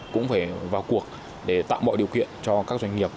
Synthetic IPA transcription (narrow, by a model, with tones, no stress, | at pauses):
kʊ̰˧˥ŋ͡mfaː˧˩vaː˨˩wku˨˩ək̚ | ɗe˧˩t̪a̰ː˧˨wɓɔ̰ː˧˨ɗi˨˩əwkḭ˧˨ənt͡ɕɔ˧kaː˦˥k̚zwa˧jŋ̟ŋi˨˩əp̚